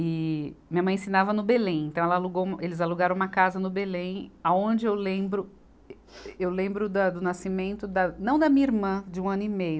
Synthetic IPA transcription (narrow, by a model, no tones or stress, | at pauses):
ɪmĩɲɐmɐ̃j̃ẽsĩnavɐnʊbelẽj̃ẽnt̪ɐ̃ɛlɐaluɡowmɐelɪzaluɡaɾɐ̃w̃ũmɐkazɐnʊbelẽj̃aõnd͡ʒɪewlẽbɾʊ | ewlẽmbɾʊd̪ɐd̪ʊnasimẽnt̪ʊd̪ɐnɐ̃w̃d̪ɐmĩɐiɾmɐ̃d͡ʒɪũɐ̃nʊimejʊ